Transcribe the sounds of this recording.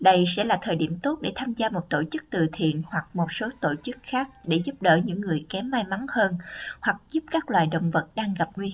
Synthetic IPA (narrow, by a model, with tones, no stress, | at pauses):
ɗə˧jsɛ̰˧˥laː˨˩t̪ʰəː˨˩jɗi˧˩əmt̪o˦˥t̚ɗe˧˩t̪ʰaː˧mzaː˧mo˨˩t̚t̪o˧˩t͡ɕɨ˦˥k̚t̪ɨ˨˩t̪ʰḭ˧˨ənhwa˨˩k̚mo˨˩t̚so˨˦t̪o̰˧˩t͡ɕɨ˦˥k̚xaː˦˥k̚ɗe˧˩zu˦˥p̚ɗə̰ː˧˩ɲɨ̰˧˥ŋːɨ˨˩əjkɛ˨˦mːaː˧jma˨˦ŋhəː˧nhwa˨˩k̚zu˦˥p̚kaː˦˥k̚lwa̰ː˨˩jɗə̰˧˨wŋ͡mvə˨˩t̚ɗaː˧ŋɣa˨˩p̚ŋwi˧h